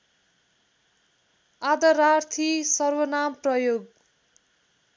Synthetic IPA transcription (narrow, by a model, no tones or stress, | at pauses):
ad̪ʌɾart̪ʰisʌrwʌnamprʌjoɡ